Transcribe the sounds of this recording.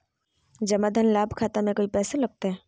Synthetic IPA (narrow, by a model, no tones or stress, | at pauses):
d͡ʒɐmad̪ʱənlaːbʱkʰaːt̪amẽkoːipɛːsalɐɡ̚t̪aɦɛː